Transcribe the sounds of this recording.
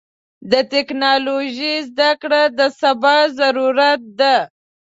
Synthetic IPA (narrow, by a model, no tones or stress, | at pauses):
d̪ət̪ɪknɑloʒizd̪akɽad̪əsabɑzaɾuɾat̪̚d̪a